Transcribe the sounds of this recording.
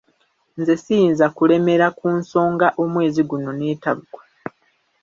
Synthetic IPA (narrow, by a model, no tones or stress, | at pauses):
nzesijinzakule̞me̞ɾakuːnso̞ːŋɡaʔo̞mwe̞ːziɡuno̞ne̞ːtaβuɡwḁ